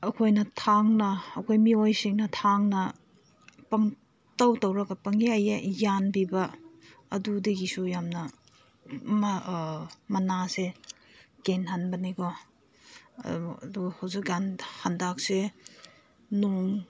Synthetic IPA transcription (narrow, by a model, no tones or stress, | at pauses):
ɐkʰojnɐtʰaŋnɐːkʰojmiojsiŋnɐtʰaŋnɐ | pɐŋ | tɐwtɐwɾɐkɐpɐŋjajɐjanbibɐ | ɐdudiɡisujamnɐ | m | mɐnase | kenɦanbɐniɡɔ | ɐ̰duɡɐhɐwzik̚anhandak̚se | noŋ